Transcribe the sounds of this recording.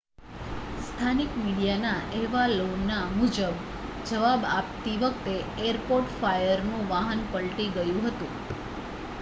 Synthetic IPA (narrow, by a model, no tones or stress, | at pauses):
st̪ʰanikmiɽijanaʔeʋalonːamud͡ʒəb | d͡ʒəʋabap̚t̪iʋəkt̪e | eəɾpoɾʈfajəɾnũʋaɦənpəɭʈiɡəjũɦət̪ũ